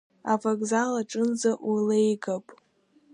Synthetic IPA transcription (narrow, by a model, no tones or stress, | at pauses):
avaɡʼzalaʈ͡ʂʼɨnzaʔlejɡapʼ